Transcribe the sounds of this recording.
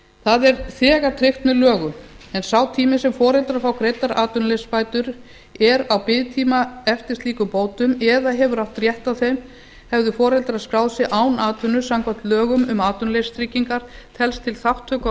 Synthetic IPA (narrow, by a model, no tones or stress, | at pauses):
θaðɛɾθɛːɣat̪ʰɾɪxt̪mɛðlœːɣʏɛnsawt̪ʰiːmɪsɛmfɔːɾɛlt̪ɾafawkɾejt̪aɾaːt̪ʏnlespaːjt̪ʏɾ | ɛɾawpɪðt̪ʰiːmaɛft̪ɪst̪liːkʏpoːwt̪ʏmɛðaɦɛvʏɾawht̪rjɛht̪awθejm | hɛvðʏfɔːɾɛlt̪ɾaðskɾaːwðsjɪʔaːwnaːt̪ʏnʏsamkʰḁt̪lœːɣʏmʏmaːt̪ʏnlejst̪ʰɾɪcːiŋkaɾ̥t̪ʰɛlst̪ʰɪlθawht̪ʰːœːk